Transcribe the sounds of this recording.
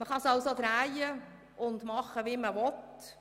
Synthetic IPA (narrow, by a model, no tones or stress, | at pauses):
məχɑsɑwsod̪ɾæjə | ʊndmɑχəʋiːməʋɔt